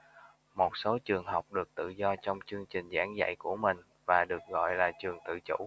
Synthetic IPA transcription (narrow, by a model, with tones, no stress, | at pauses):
mo˨˩t̚so˨˦t͡ɕɨ˨˩əŋɦə˨˩wk͡p̚ɗɨ˨˩ək̚t̪ɨ̰˧˨zɔ˧t͡ɕɔ˧wŋ͡mt͡ɕɨ˧əŋt͡ɕï˨˩ŋ̟zaː˧˦ŋza̰˧˥˨jku˧˩əmï˨˩ŋ̟ | vaː˨˩ɗɨ˨˩ək̚ɣɔ̰˧˨jlaː˨˩t͡ɕɨ˨˩əŋt̪ɨ̰˧˨t͡ɕṵ˧˥